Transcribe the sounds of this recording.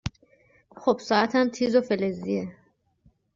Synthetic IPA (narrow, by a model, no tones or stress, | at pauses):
xob̥sɒːæt̪ʰæmt̪ʰiːzofelezie